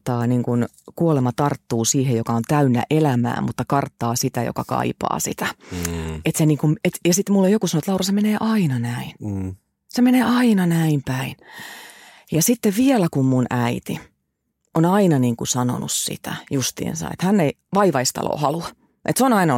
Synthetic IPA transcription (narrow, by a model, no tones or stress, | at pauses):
t̪ːɑːniːŋkun | kuolemɑt̪ɑrt̪ːuːsiːhejokɑont̪æynːæ̰ʔelæmæ̰ːmmut̪ːɑkɑrt̪ːɑːsit̪æjo̰kɑkɑ̰ipɑ̰ːsḭt̪æ | et̪seniːŋkumet̪jɑsit̪mulːojokusɑnoet̪lɑurɑsemeneːʔɑinɑnæin | semeneːʔɑinɑnæimpæin | jɑsit̪ːeʋʋiɛlækummunʔæit̪i | onɑinɑniːŋkusɑno̰nṵssḭt̪æ̰just̪ḭːnsɑ̰ḛt̪hænːei | ʋɑiʋɑist̪ɑ̰lo̰ːhɑluɑ | ʔḛt̪seonɑinɑ